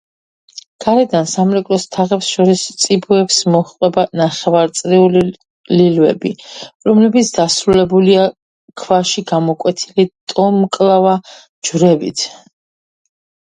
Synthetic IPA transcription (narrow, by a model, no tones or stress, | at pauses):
ɡ̥aɾɛd̪ansamɾɛkʼlɔst̪ʰaʁɛpsʃɔɾist̪sʼibuɛpsmɔχqʼwɛbanaχɛvaɾt̪sʼɾiuli | lilvɛ̰biɾɔmlɛbit̪sʰd̪̥asɾulɛbulia | kʰvaʃiɡamɔkʼwɛt̪ʰilit̪ʼɔmkʼlˠava | d͡ʒvɾɛbḭt̪ʰ